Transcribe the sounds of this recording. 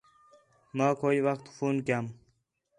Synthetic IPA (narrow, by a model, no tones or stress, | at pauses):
maːkʰoːiwakt̪fuːnkam